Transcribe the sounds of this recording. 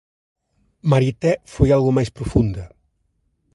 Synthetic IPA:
maɾit̪ɛfojalˠɣumajspɾufund̪ə

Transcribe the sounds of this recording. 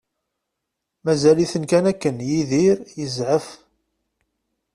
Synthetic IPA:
mæzæliθənkænækːənjiðiɾjəzʕəf

